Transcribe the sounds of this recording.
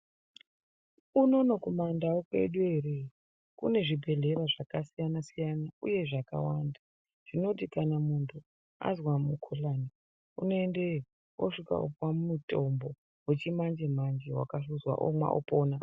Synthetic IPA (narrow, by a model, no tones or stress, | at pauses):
uno̞nokumandawokwe̞̰ɗueɾe | kṵne̞ʐibʱe̞ɮe̞ɾaʐakasijanasijanaṵje̞ʐaka̰wanda | ʐ̥ino̞t̬ikanamuntʰu | a̰zwamukʰolaːni | uno̞ende | wo̰ʂika̰ṵpwamumuto̞mbo | we̞t͡ʃimand͡ʒe̞mand͡ʒewa̰kaʂuzwa̰ʔo̰mwa̰ʔo̰poːna